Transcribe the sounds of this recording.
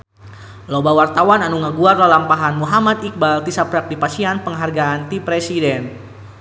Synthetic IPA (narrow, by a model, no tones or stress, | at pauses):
lobawart̪awananuŋaɡuardalampaɦanmuɦamat̪ik̚balt̪isapɾak̚dipasianpəŋɦarɡaːnt̪ipɾesidɛn